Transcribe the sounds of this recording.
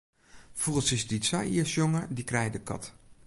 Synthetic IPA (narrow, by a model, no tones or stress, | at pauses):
v̥uχənsɪsditsɑjəsjɔŋəɹdikrɛjdəkɑ̰t